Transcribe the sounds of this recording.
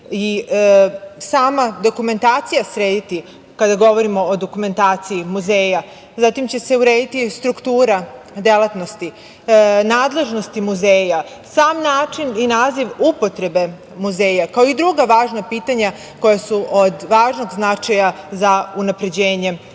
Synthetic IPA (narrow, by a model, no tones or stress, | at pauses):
i | saːmad̪o̞kume̞nt̪aːt̪sijasɾeːd̪it̪i | kad̪aɡo̞ʋo̞ɾimo̞ːd̪o̞kume̞nt̪aːt̪siimuzeːja | zat̪imt͡ɕe̞se̞uɾe̞ːd̪it̪ist̪ɾukt̪uːɾa | d̪e̞lˠat̪no̞st̪i | naːd̪le̞ʒno̞st̪imuzeːja | saːmnaːt͡ʃininaːziʋupo̞t̪ɾe̞be̞ | muze̞ːjakao̞id̪ɾuɡaʋaːʒnapiːt̪aɲa | ko̞jasuʔod̪ʋaːʒno̞ɡznat͡ʃajazaunapɾe̞d͡ʑeːɲe̞